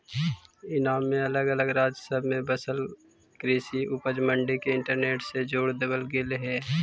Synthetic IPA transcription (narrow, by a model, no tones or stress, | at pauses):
ɪnaːmːẽɐləɡələɡɾaːd͡ʒsəbmẽbəsəl | kɾeːsiʔʊpəd͡ʒmə̃ɳɖikeɪ̃ɳʈəɾneːʈsed͡ʒoːɽd̪əbəlɡelɦɛː